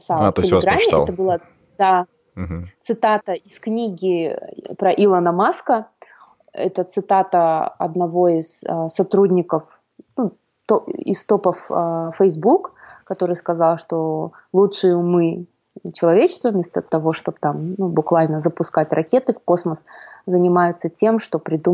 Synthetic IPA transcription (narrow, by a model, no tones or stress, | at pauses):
salt̪ʲɪlʲɡɾamʲɪɛ̰t̪əbɨlˠə | d̪a | t̪sɨt̪at̪əisknʲiɡʲɪpɾɐʔilˠənəmaskə | ɛ̰t̪ət̪sɨt̪at̪əɐ̰d̪nɐvo̞ɪzsɐt̪ɾudʲnʲɪkəf | nu | t̪oɪ̰st̪o̞pəffəjzbukkɐt̪o̞ɾɨjskɐzalˠʂt̪o̞ | lˠutʂɨjʊmɨ | t͡ɕɪlˠɐvʲet͡ɕɪ̥st̪vəvmʲe̞st̪ət̪ɐvo̞ʂt̪o̞b̚t̪amnubʊkvalʲnəzəpʊskatʲrʔɐkʲe̞t̪ɨfko̞sməszənʲɪmajɪt̪sətʲe̞mʂt̪o̞pɾʲɪd̪u